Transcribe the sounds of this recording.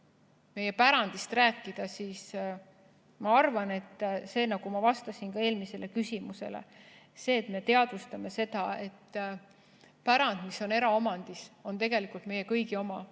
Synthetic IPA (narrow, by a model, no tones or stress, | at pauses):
me̞je̞pæɾɑnd̪ist̪ræːkːˑid̪̥ɑsiːs | mɑɑrvɑne̞t̪ːse̞ːnɑɡ̥umɑvɑst̪ɑsinkɑe̞ːlmise̞le̞kysʲimuse̞̰lḛse̞ːt̪me̞t̪e̞ɑd̪vust̪ɑme̞se̞d̪̥ɑe̞t̪ː | pæɾɑnd̪̥miso̞ne̞ɾɑo̞mɑnd̪̥iso̞nt̪e̞ɡe̞likˑult̪me̞jːe̞kɤjɡio̞mɑ